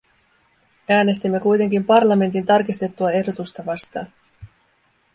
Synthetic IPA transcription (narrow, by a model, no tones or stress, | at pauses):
æːne̞st̪imːe̞kujt̪e̞ŋkimpɑrlɑme̞nt̪̬int̪ɑrkist̪e̞t̪ːuɑe̞hdo̞t̪ust̪ɑʋɑst̪ɑːn